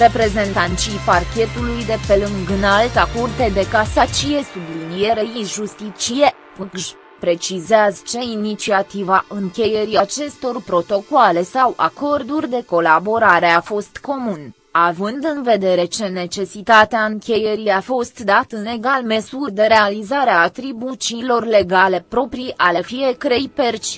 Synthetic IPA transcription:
re̞pɾe̞ze̞nt̪ant̪ʃijparkʲe̞t̪ulujd̪e̞pe̞lɨŋɡnalt̪akurt̪ed̪e̞kasat͡ʃije̞sublinijeɾeiʒust̪it͡ʃije̞ | puɡʒ | pɾe̞t͡ʃizeazt͡ʃe̞init͡ʃiat̪ivaʔɨŋkʲe̞je̞ɾiat͡ʃe̞st̪o̞rpɾo̞t̪o̞koale̞sawʔa̰ko̞rd̪urʲd̪e̞ko̞labo̞ɾaɾe̞afo̞st̪ko̞mun | avɨnd̪ɨnve̞d̪e̞ɾe̞t͡ʃe̞ne̞t͡ʃe̞sit̪at̪eaɨŋkʲe̞je̞ɾiafo̞st̪d̪at̪ɨne̞ɡalmesurʲd̪e̞ɾe̞alizaɾeaːt̪ɾibut͡ʃiːlo̞rle̞ɡale̞pɾo̞pɾijʔale̞fije̞kəɾejpert͡ʃʲ

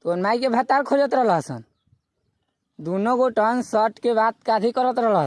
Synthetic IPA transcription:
t̪onmaikebʱət̪ːaɾkʰod͡ʒət̪ɾəɦlɦəsə̰n | d̪unoɡoʈənsəʈkebat̪̚kat̪ʰikəɾət̪ɾəɦlɦ

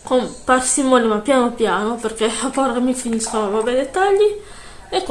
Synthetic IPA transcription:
komparsimonimapjanopjaːnoperkeapɔɾamifiniskonavabɛjd̪et̪ːaʎːi | ek

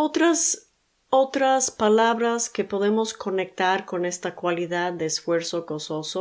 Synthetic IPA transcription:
ot̪ɾas | o̞t̪ɾaspalaβɾaskepo̞ðe̞mo̞sko̞ne̞k̚t̪aɾko̞ne̞st̪akwaliðaðːe̞ːsfwe̞ɾsoko̞so̞so

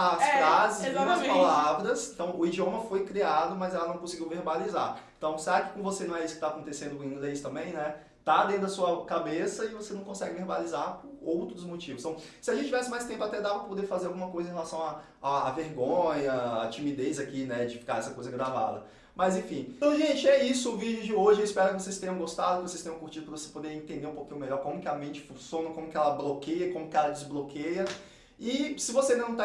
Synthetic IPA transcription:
asɾazɪzzad͡ʒpalavɾɐsẽnt̪ɐ̃w̃ʊid͡ʒiõmɐfojkɾiad̪ʊmɐzɛlɐnɐ̃w̃kõsɪɡiwveɾbalizaɾẽt̪ɐ̃w̃seɾaɪkɪ̥kõvosenɐ̃w̃ɛisʊ̥kɪt̪aːkõnt̪esẽnd̪ʊkĩɡlest̪ɐ̃mbẽj̃nɛ | t̪ad̪ẽt̪ʊd̪ɐsuɐkabesɐɪvosenɐ̃w̃kõsɛɡɪveɾbalizaɾpoɾowt̪ɾʊzmot͡ʃivʊst̪ɐ̃w̃sɪaʒẽt͡ʃɪt͡ʃivɛsɪmajst̪ẽmpʊat̪ɛd̪avpɾɐpod̪efazeɾawɡũmɐkojzẽhɦelasɐ̃w̃a | aːveɾɡõɲɐat͡ʃimid̪ejzakinɛd͡ʒɪfi̥kaɾɛsɐkojzɐɡɾava̰d̪ɐ | mɐzẽfĩt̪ɐ̃w̃ʒẽt͡ʃɪɛisʊːvid͡ʒʊd͡ʒɪoʒɪeispɛɾʊkɪvos̬ejst̪ẽɲjɐ̃w̃ɡost̪ad̪ʊkɪvosejst̪ẽɲ̃ɐ̃kuɾt͡ʃid̪ʊpɾɐvose̥pod̪eɾẽt̪ẽnd̪eũpokĩɲʊmeʎɔɾkõmʊkɪamẽnt͡ʃɪ̥fũsjõnɐkõmʊkɪɛlɐblokejɐkõmʊkɪɛlɐd͡ʒɪzblokejɐ | ɪsɪvosenɐ̃w̃t̪a

